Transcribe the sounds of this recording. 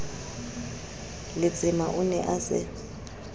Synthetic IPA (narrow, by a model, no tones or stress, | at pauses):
lɪ̥d͡zʱɪmaʔunɛʔaːsɛ̰